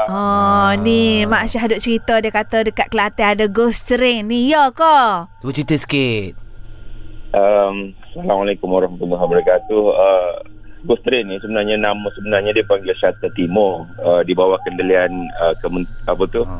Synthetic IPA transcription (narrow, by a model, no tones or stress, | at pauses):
ɔnimaʔsaɦdʊt͡ʃəɾit̪ədiəkat̪ədəkat̪̚kəlat̪ɛadəɡost̪əɾenːijəkɔsəbət͡ʃit̪əsə̥kɪt̪̚ | ʔəmsalamwalekumwaɾɔhmat̪ulmaɦaməɾəkat̪uə | ɡɔst̪ɾenːisəbənarɲanaməsəbənarɲadiəpaŋɡɪlsat̪at̪imɔrədibawakəndəlianəkəmənapət̪u